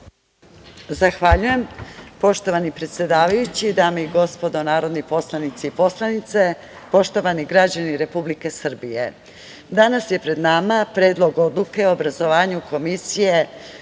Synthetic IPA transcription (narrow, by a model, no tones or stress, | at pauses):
zaxʋaʎuje̞mpo̞ʃt̪oʋanipɾe̞t̪sje̞d̪aːʋajut͡ɕid̪aːmeiɡo̞spo̞d̪o̞naːɾo̞d̪nipo̞slˠanit̪siipo̞slˠanit̪se | po̞ʃt̪o̞ʋaniɡɾad͡ʑaniɾe̞publike̞sr̩bije̞̰ | d̪anasje̞pɾe̞d̪namapɾe̞ːd̪lˠo̞ɡo̞d̪lˠuke̞oobɾazo̞ʋaːɲuko̞misije̞